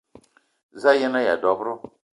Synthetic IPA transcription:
za˦jɛ˦na˦ja̰˨dɔ˨bɾʊ˦

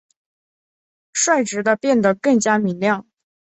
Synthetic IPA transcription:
ʂwa˥˩ɪʈ͡ʂɻ̩˨˧˥d̪ə˧pjɛ˥˩nd̪ə˩kɤ˥˩ŋt͡ɕja˥mi˧˥ŋljɑ˥˩ŋ

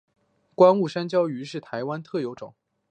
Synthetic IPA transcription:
kwa˥nu˥˩ʂa˥nt͡ɕjɑ˥ʊy˧˥ʂɻ̩˥˩t̪ʰa˧˥ɪwa˥nt̪ʰɤ˥˩jo˧˥ʊʈ͡ʂʊ̰˨˩˦ŋ

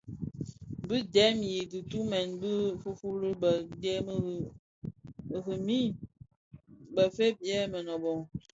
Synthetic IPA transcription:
bɨ˦dɛ˨˦mji˨ɡɨ˨tu˦mɛ˨nbə˦fu˦fu˦ɾi˦bə˨dɛ˦m˦˨ | ɣə˨mi˦ | bə˨fe˦p̚jɛ˦mə˨nɔ˨bɔ˨ŋ

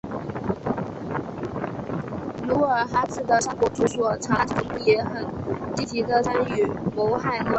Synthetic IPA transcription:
lu˧˥ə˞˨˩xa˥t͡sɹ̩˥˩d̪ə˩ʂa˥kɔ˨˥˩ʈ͡ʂu˥˩swɔ˨˩ʈ͡ʂʰa˧˥t̪ʰi˧˥ŋlu˥˩jɛ˧˥xə˨˩nt͡ɕi˥˩t͡ɕi˧˥d̪ə˧t͡sa˥ny˨˩mo˧˥ʊxa˥˩n˥

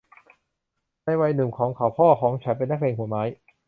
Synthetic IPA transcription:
na˧jwa˧jnɯ˨˩kʰɔː˩˦ŋkʰaː˨˩wpʰɔː˥˩kʰɔː˩˦ŋt͡ɕʰa˨˦˥npe˧nːa˥k̚leː˧ŋhu˩˦maː˦˥j

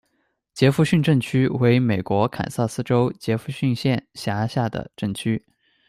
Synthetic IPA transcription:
t͡ɕjɛ˧˥fu˥˧ɕy˥˧nʈ͡ʂə˥˩ŋt͡ɕʰy˥we˧˥ɪme˨˩ɪkwɔ˧˥kʰa̰˨˩nsa˥˩sɹ̩˥ʈ͡ʂo˥ʊt͡ɕjɛ˧˥fu˥˧ɕy˥˧nɕjɛ˥˩nɕja˧˥ɕja˥˩d̪ə̰˩ʈ͡ʂɤ˥˩ŋt͡ɕʰy˥

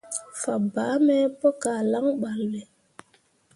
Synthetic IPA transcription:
fa˨baː˨˦mɛ˦pɔ˦ka˨la˦ŋɓa˨llɛ˨

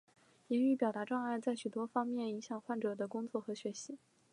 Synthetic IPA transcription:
i˧˥ny˥˩pjɑ˨˩ʊt̪a˧˥ʈ͡ʂwɑ˥˧ŋa˥˧ɪt͡sa˥˩ɪɕy˨˩t̪wɔ˥fɑ˥ŋmjɛ˥˩ni˧˥ŋɕjɑ˨˩ŋxwa˥˩nʈ͡ʂɤ˨˩d̪ə˦kʊ˥ŋt͡swɔ˥˩xɤ˧˥ɕɥɛ˧˥ɕi˧˥

